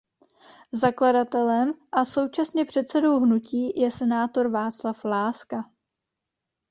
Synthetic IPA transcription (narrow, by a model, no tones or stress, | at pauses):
zakladat̪ɛlɛmʔaso̞wt͡ʃasɲɛpr̝̥ɛt̪sɛdo̞wɦnuciːjɛsɛnaːt̪o̞ɾvaːt͡slaflaːska